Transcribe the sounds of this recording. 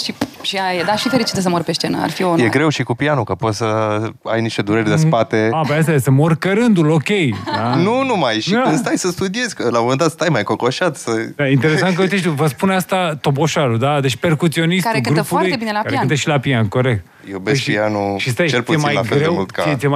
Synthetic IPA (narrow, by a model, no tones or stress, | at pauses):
ʃiʃiajed̪aʃifeɾit͡ʃi̥t̪əsəmoɾpeʃt͡ʃenə̰a̰rfionjeɡɾe̞wʃikupianukəpo̞t̪səa̰jniʃt̪ed̪uɾeɾʲd̪espat̪eabajas̬t̪ajesəmorkəɾɨnd̪ulo̞kʲejanunumajʃikɨnst̪ajsəst̪ud̪ije̞zʲkəlamomend̪at̪st̪ajmajkokoʃat̪səd̪aint̪eɾesant̪̚kəuit̪eʃt̪uvəspuneast̪at̪o̞bo̞ʃaɾud̪ad̪e̞t͡ʃʲpe̞rkut̪sio̞nisk̪aɾeɡɨnɾəfpulaɾutj̪ebinelaaɾaɨnt̪əʃilapianko̞ɾek̚t̪̚ | jebeskpianuʃist̪ajt͡ʃelpuemiajlafelɾeewmult̪kajem